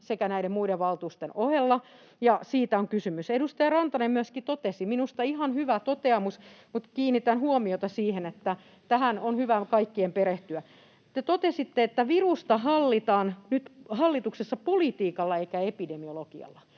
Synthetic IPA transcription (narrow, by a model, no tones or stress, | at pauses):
sekænæiɾemmuideʋʋɑlt̪uːst̪enohelːɑ | jɑsiːt̪æoŋkysymysedust̪ɑjɑrɑnt̪ɑnemmyøskit̪ot̪esiminust̪ɑihɑnhyʋæt̪ot̪eɑmusmut̪kiːnːit̪ænhuomiot̪ɑsiːhenet̪ːæ | t̪æhænonhyʋækɑikːiempeɾeht̪yæ | t̪et̪ot̪esit̪ːeet̪ːæʋirust̪ɑɦɑlːit̪ɑːnnyt̪hɑlːit̪uksesːɑpolit̪iːkɑlːɑeikæepidemiolokiɑ̰lːɑ